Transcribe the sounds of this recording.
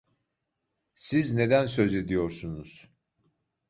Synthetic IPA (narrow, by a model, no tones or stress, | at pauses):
sizne̞d̪æns̬øze̞d̪ijoɾsunuz̥